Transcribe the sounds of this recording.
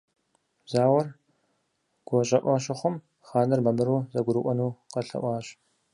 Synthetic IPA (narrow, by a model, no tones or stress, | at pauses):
zaːwɐr | ɡ̥ʷɔɕʼɐʔʷɐɕ̬ɐχʷʊm | χaːnɐrmɐmɨɾuːzɐɡʷʊɾɨʔʷɔnuːqɐɬɐ̰ʔʷɑːɕ